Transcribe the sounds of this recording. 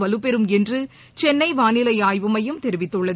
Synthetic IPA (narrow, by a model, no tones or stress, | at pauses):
ʋɐlɯpɛɾɯmɛndrɯ | t͡ʃɛnːɐɪʋaːnɪlɐɪaːjʋɯmɐjɯmt̪ɛɾɪʋɪt̪ːɯɭːɐð